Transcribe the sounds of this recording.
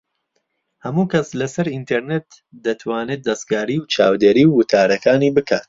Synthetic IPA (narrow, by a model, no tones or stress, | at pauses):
hɐmuːkɐslɐsɐɾint̪ʰeɾnet̪ | d̪ɐt̪ʰwaːnɨt̪̚d̪ɐskaːɾiːwt͡ʃʰaːwd̪eːɾiːwːʊt̪ʰaːɾɐkaːniːbɨkʰaːt̪